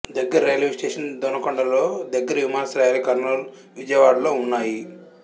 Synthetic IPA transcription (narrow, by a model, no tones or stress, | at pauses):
d̪ɐɡːɐɾɐɾejɐlisʈeːʂɐnd̪ɔnɐkoɳɖɐloːd̪ɐɡːɐɾɐʋimaːnɐsɐɾɐjaːlikɐɾnoːl | ʋid͡ʒɐjɐʋaːɽɐlo̞ːunːaːji